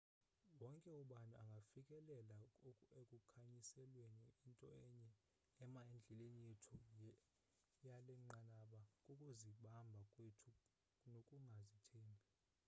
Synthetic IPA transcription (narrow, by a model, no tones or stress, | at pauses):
wɔŋkʼɛuɓanaaŋɡʱafikʼɛlɛlaekʼukʰaɲisɛlweniintʼɔɛɲɛ | ɛmaend͡ɮʱɛlenijetʰu | jalɛŋ͡ǃanaɓakʼukʼuziɓambʱakʼwetʰu | nokʼuŋɡʱazitʰeːnʱi